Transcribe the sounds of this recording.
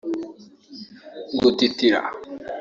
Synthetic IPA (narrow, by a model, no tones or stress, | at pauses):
ɡutitiɾa̰